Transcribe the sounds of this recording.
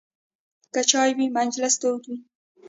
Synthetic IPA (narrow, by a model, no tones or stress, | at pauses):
kat͡ʃɑjwimand͡ʒlast̪owt̪wi